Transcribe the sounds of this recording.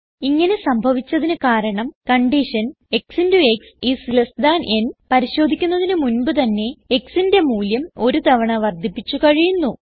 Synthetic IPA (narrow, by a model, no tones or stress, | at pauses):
iŋːɐne̞sɐmbʱɐʋit͡ɕːɐðinɨkaːɾɐɳɐmkɐɳɖiʂɐn | e̞ksindueksisilɐsd̪aːnʔe̞npɐɾiɕo̞ːd̪ʱikʲːunːɐðinɨmunbɨt̪ɐnːe̞eksinde̞muːljɐmo̞ɾut̪ɐʋɐɳɐʋɐrd̪ʱipːit͡ɕːukɐɻijunːu